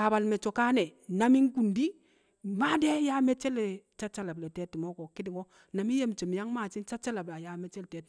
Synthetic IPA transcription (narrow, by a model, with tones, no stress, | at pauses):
a˨ba˨lme˨t͡ʃo˨ka˦ne˨na˦mi˦ŋ˦ku˨ndi˦ | ma˦de˦ja˦me˦t͡ʃe˦le˨t͡ʃa˦t͡ʃa˦la˨be˨te˦ti˨mo˦ko˨ki˦di˨ŋo˦ | na˨mi˦je˦˨m˨t͡ʃe˨m˨ja˦ŋma˨t͡ʃi˦nt͡ʃa˦t͡ʃa˦la˨bla˨ja˦me˦t͡ʃe˦lte˨˦t